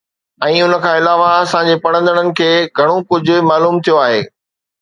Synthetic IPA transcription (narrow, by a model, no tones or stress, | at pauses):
ɛ̃ːʊnə̆kʰãːɪlaːʋaɐsãɲ̆d͡ʑepɐɽə̃nd̪əɽ̃ənɪ̆kʰeːɡʱɐɽ̃okʊd͡ʑʱʊ̆maːluːmt̪ʰijoaːɦḛː